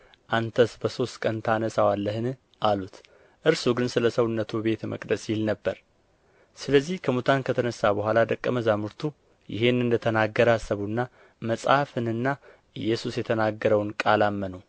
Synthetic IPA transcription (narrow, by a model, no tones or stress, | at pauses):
ʔant̪ʰəsbəso̞st̪kʼənt̪ʰanəsawalːəhɨn | ʔalut̪ | ʔɨɾsuɡɨnsɨləsəwnːət̪ʰube̞t̪mʔə̰kʼd̪əsjɪlnəbːəɾ | sɨləzːihkʰəmut̪ʰankʰət̪ʰənəsːabəɦʷalad̪əkʼːəməzamuɾt̪ʰu | jɪ̰ɦe̞nɨnd̪ət̪ʰənaɡːəɾasːəβunːa | məsʼafɨnɨnːa | ʔɨjːɛsusjɛt̪ʰənaɡːəɾəwnkʼalamːənəw